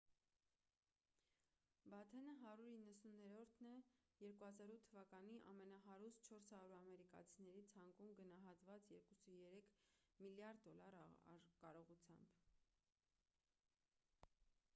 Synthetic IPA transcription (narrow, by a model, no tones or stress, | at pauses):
bɑt̪ʰɛnəɦɑɾuɾinːəsunɛɾɔɾt̪ʰnɛjɛɾkuhɑzɑɾut̪ʰːəvɑkɑniʔɑ̰mɛnɑɦɑɾus̚t͡ʃʰɔɾshɑɾuɾɑmɛɾikɑ̰t͡sʰinɛɾit͡sʰɑŋkumɡənɑɦɑt̪vɑt͡sjɛɾkusujɛɾɛkʰmiljɑɾd̪̚ːɔlɑɾ̰kɑɾɔʁut͡sʰjɑ̰mb̥